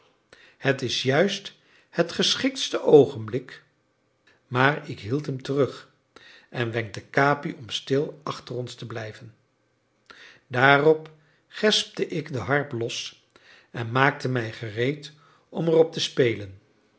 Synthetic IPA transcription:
hətɪsjœɥst | hətχəsχɪk̚tstəʔowχənblɪk | maːɹɪkɦilˠtɦəmtərɵχ | ʔɛnʋɛŋk̚dəkaːpiʔɔmstɪlˠɑχtərɔnstəblɛjvən | daːrɔp | χɛsp̚təʔɪɡdəɦɑɹplɔs | ɛnmaːk̚təmɛjχərejt | ʔɔmərɔp̚təspejlən

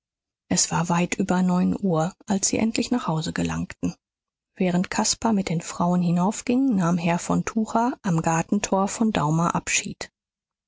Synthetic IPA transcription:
ʔɛsv̥aːɐvaɪtʔyːbɐnɔʏnʔuːɐʔalsz̥ḭːʔɛ̰ntʰlɪçnaːχhaʊzəɡəla̰ŋktn̩ | v̥ɛːʁ̞əntkʰaspamɪt̚d̥eːnfʁ̥aʊənɦɪnaʊfɡ̥ɪŋnaːmɦɛɐfɔntʰuːχaʔamɡaɐtn̩tʰoːɐfɔnda̰ʊmaʔapʃḭːt

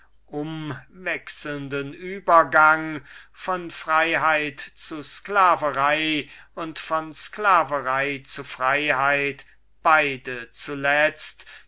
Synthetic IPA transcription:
ʔʊmvɛksl̩ndənʔyːbɐɡaŋfɔnfʁ̥aɪɦaɪtt͡susklaːvəʁaɪʊntfɔnsklaːvəʁaɪt͡sufʁ̥aɪɦaɪt | b̥aɪdət͡sulɛt͡st

